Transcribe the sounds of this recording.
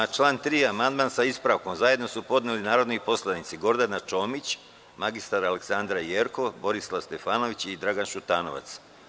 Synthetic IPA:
t͡ʃlˠaːnt̪ɾiːamand̪̚maːnsaispɾaʋko̞mzaje̞d̪no̞supo̞d̪nelinaːɾo̞d̪nipo̞slˠanit̪siɡo̞ɾd̪anat͡ʃo̞ːmit͡ɕ | maɡist̪aɾaleksand̪ɾajeːɾko̞bo̞ɾislˠast̪e̞faːno̞ʋit͡ɕid̪ɾaɡanʃut̪aːno̞ʋa̰t̪s

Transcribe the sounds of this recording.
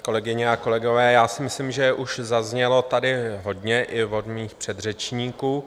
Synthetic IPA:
ko̞lɛɡɪɲɛako̞lɛɡo̞vɛːjaːsɪmɪslimʒɛʔuʃzazɲɛlo̞t̪adɪɦo̞dɲɛʔɪvo̞dmiːxpr̝̥ɛd̪r̝ɛt͡ʃɲiːkuː

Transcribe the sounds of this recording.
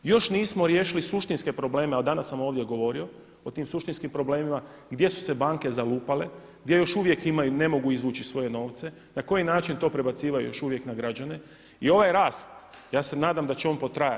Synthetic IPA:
jo̞ʃniːsmo̞ɾjeːʃilisuʃt̪inske̞pɾo̞ble̞ːmeald̪anasːamo̞ːʋd̪je̞ɡo̞ʋo̞ɾio̞ | ot̪iːmsuʃt̪inskimpɾo̞ble̞ːmima | ɡd̪je̞su̥se̞baːŋke̞zaluːpale̞ | ɡd̪je̞jo̞ʃuʋje̞kimajune̞mo̞ɡuizʋuːt͡ʃisʋo̞jeno̞ːʋt̪se̞ | nako̞jinaːt͡ʃint̪o̞ːpɾe̞bat̪siːʋajṵjo̞ʃuʋje̞knaɡɾad͡ʑane̞ | io̞ʋajɾaːst̪ | jaːse̞naːd̪amd̪at͡ɕeo̞ːnpo̞t̪ɾaja

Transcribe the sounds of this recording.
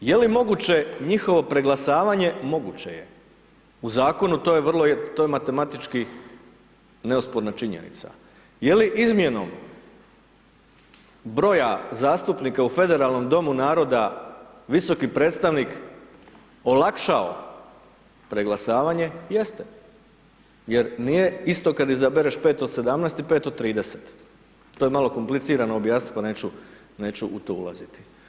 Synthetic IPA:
je̞limo̞ɡut͡ɕe̞ɲixo̞ʋo̞pɾe̞ɡlasaːʋaɲe̞mo̞ɡut͡ɕe̞̰je̞̰ | uzaːko̞nut̪o̞ːjeʋr̩lˠot̪oːjemat̪e̞mat̪it͡ʃki | ne̞uspoɾnat͡ʃiɲḛnḭt̪sa̰ | je̞liʔizmje̞no̞̰m | bɾo̞jazaːst̪upniːkaufe̞d̪e̞ɾalˠno̞md̪o̞munaːɾo̞d̪a | ʋiso̞kipɾe̞ːt̪st̪aʋnik | o̞lˠakʃao̰ | pɾe̞ɡlˠasaːʋaːɲe̞je̞st̪e̥ | je̞ɾnije̞ist̪o̞kad̪izabeɾeʃpe̞ːt̪od̪se̞d̪amnɛːst̪ipe̞ːt̪od̪̚t̪ːɾiːd̪eset̪ | t̪oːjemalo̞ko̞mplit̪siːɾanoːbjaːsnit̪̚pane̞ːt͡ɕu | neːt͡ɕuʔut̪o̞ːṵlˠa̰zit̪i̥

